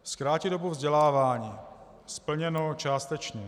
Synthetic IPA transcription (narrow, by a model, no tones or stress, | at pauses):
skɾaːcɪdobuvzɟɛlaːvaːɲiː | spl̩ɲɛnot͡ʃaːst̪ɛt͡ʃɲɛ